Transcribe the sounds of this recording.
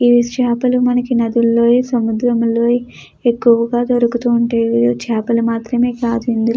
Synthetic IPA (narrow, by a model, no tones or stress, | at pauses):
iʋisʂaːpɐlumɐnɐkinɐd̪ulːoːsɐmud̪ɾɐmloː | ekːuʋɐɡaːd̪oɾukut̪uːɳʈaːjʋid̪ot͡ʃaːpɐlumaːt̪ɾɐme̞ːkaːd̪und̪i